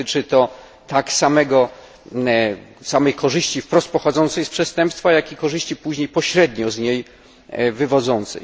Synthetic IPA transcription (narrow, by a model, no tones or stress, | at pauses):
t͡ʂɘt̪ɔ | t̪aksamɛɡɔ | samɛjkɔʐɘɕt͡ɕifpɾɔst̪̚pɔxɔd̪zɔnt̪sɛjspʂɛst̪ɛmpst̪fajakʲikɔʐɘɕt͡ɕipuʑɲejpɔɕɾɛd̪ɲɔzɲej | vɘvɔd̪zɔnt̪sɛ̰j